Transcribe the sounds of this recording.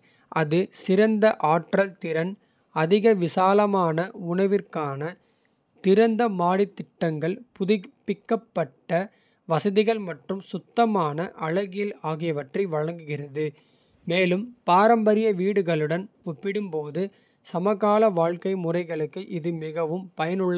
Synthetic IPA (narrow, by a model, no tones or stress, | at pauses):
ʔɐðɯsɪɾɐnd̪ɐʔaːʈrɐlt̪ɪɾɐn | ɐðɪɣɐʋɪsaːlɐmaːnɐʊɳɐʋɪrkaːnɐ | t̪ɪɾɐnd̪ɐmaːɽɪt̪ːɪʈːɐŋɡɐɭpʊðɪpːɪkːɐpːɐʈːɐ | ʋɐsɐðɪɣɐɭmɐʈrɯmsʊt̪ːɐmaːnɐʔɐɻɐɣɪjɪlaːɣɪjɐʋɐʈrɛɪʋɐɻɐŋɡɯɣɪrɐðɯ | meːlɯmpaːɾɐmbɐɾɪjɐʋiːɽɯɣɐɭɯɽɐnɔpːɪɽɯmpoːðɯ | sɐmɐɣaːlɐʋaːɻkɐɪmʊrɐɪɣɐɭɯkːɯʔɪðɯmɪɣɐʋɯmpɐjɐnɯɭːɐ